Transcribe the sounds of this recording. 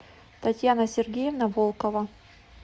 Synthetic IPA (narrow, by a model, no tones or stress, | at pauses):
t̪ɐtʲjanɐsʲɪrɡʲejɪvnɐvolˠkəvɐ